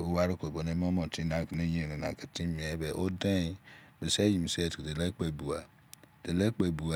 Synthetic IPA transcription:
o˦wa˦ɾo˦ke˨bo˨ne˦m˦o˦mɔ̃˨ti˦na˨kne˦jẽ˦˨ne˨na̰˨ka˨ti˦mi˨ɛ˦bɛ˨ʔo˦de˦˨˦ | me˨se˦ji˨mi˨se˦˨kde˨le˦k͡pe˨bu˨a˨ | de˨le˦k͡pe˨bu˨a˨

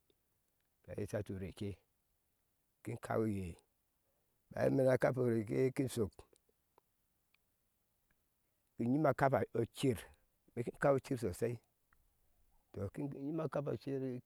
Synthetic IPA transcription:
ba̰˨jḭ˦sa˦tu˨ɾe˨ke˦ | ki˦nkʰa̰˦u˦je˨ | ba̰˨jḭ˦mi˦na˨ka˦p̬o˨ɾe˨ke˦ki˦n˦so˨k | ki˨ɲi˦ma˦ka˦pa˨o˨t͡ʃi˦ɾ | me˨ki˦nka˦u˦t͡ʃi˦ɾso˨sa˦i˦ | to˨i˦ɲi˦ma˦ka˦pa˨t͡ʃi˦ɾ

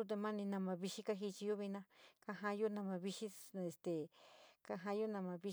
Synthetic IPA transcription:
u˦t̪̬e˧mã˦nĩ˧nã˧mã˧βi˧ʃi˦ka˦ɦi˧t͡ʃi˧jo˦βi˧nã˧ka˦ɦã˦jo˦nã˧mã˧βi˧ʃi˦e˨st̪e˨ka˧ɦã˦jo˦nã˧mã˧βi˧

